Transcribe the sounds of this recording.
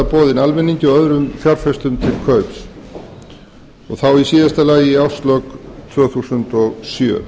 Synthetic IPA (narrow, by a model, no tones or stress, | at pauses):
apɔːðɪnalmɪnːiɲcɪɔœðɾʏmfjaɾfɛst̪ʏmt̪ʰɪlkʰœɥps | ɔɣθawisiːðast̪alaːjɪiawst̪lœkt̪ʰvœːθusʏnt̪ɔɣsjœ̰ː